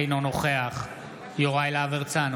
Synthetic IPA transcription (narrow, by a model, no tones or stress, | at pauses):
jnonoχeaχ | joʁaelaveʁt͡san